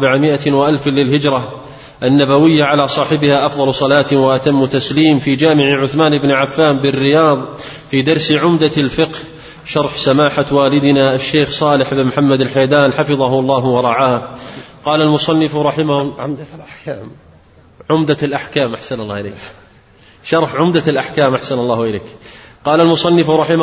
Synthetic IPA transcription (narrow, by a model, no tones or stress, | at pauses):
bɪʕamɪʔawaʔalflɪlɦɪd͡ʒɾˤɑ | ʔanːabawɪjːaʕalaːsˤɑːħɪbɪhaʔɑfðˤɑlsˤɑlaːt̪waʔat̪amːʊt̪asliːmfiːd͡ʒaːmɪʕʕʊθmaːnʔɪbnʕafːaːmbɪrːɪjɑːðˤ | fiːd̪ɑɾˤsʕʊmd̪alfɪqh | ʃɑɾˤħsamaːħawaːlɪd̪ɪnaʔaʃːeːxsˤɑːlɪħɪbnmħamːad̪alħajd̪aːnħafɨðˤɑɦʊɑlˤːɑːɦwɑɾˤɑʕaːhqɑːlalmʊsˤɑnːɪfɾˤɑħɪm | ʕʊmd̪alʔaħkaːmʔaħsanɑlːɑːhɪlḛːk | ʃɑɾˤħʕʊmd̪alʔaħkaːmʔaħsanɑlˤːɑːhʔɪleːkqɑːlalmʊsˤɑnːɪfɾˤɑħɪm